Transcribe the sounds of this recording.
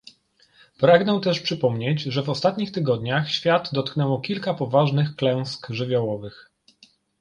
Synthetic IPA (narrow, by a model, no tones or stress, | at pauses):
pɾaɡnɛt̪ɛʂpʂɘpɔmɲed͡ʑʐɛvɔst̪at̪ɲixt̪ɘɡɔd̪ɲaxɕfʲjad̪d̪ɔt̪knɛwɔkʲilkapɔvaʐnɘxklɛw̃skʐɘvʲjɔwɔvɘx